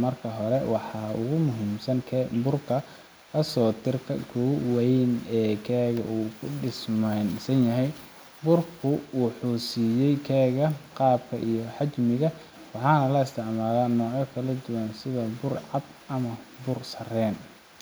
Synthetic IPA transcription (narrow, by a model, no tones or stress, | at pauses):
mɐrkʰɐɦɔɾɛwɑħɑːʊ̰ɣʊmʊɦiːmsɐŋkʰːbʊrkʰɐ | kʰɐsɔːt̪ʰɪrkʰɐ̰kʰɔwɛnɛːkʰɛːɣɐ̰ʔuːkʰʊɖɪsmɛnsɐnjɐɦɛj | bʊrkʰʊwwʊħuːsiːjɛjkʰɛːɣɐqɑːbkʰɐʔijɔħɑt͡ʃmɪɣɐ | wɑħɑːnɐlɐɪst̪ʰɪʕmaːlaːnɔːʕjɔkʰɐlɐd̪ʊwɐnsɪðɐbʊrʕɑd̪ɐmɐbʊrsɐrɛːn